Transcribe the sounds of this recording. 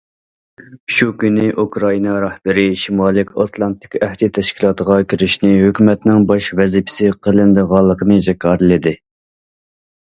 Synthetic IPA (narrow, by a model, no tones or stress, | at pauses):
ʃukʲynɪʔukɾɑinɑɾɑhbɪɾɪʃimɑːlˠɪkʲɑt̪ʰlˠɑnt̪ʰɪ̥kʲɛht̪ɪt̪ʰɛʃkʲilˠɑt̪əʁɑkʲʰyɾɪʃnɪɦøkʲymɛt̪nɪŋbɑʃvɛzipʰɪ̥sɪqʰəlˠɪnd̪əʁɑlˠːəqʰənɨd͡ʒɛkʲʰɑːɾɨlɪd̪ɪ